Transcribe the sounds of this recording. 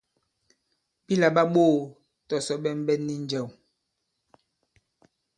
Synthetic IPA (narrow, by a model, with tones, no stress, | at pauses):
bi˦la˨ɓa˦ɓo˦˨ | tɔ˨sɔ˨˦ɓɛ˦m˦bɛ˦nːi˦n̩˦d͡ʒɛ˨w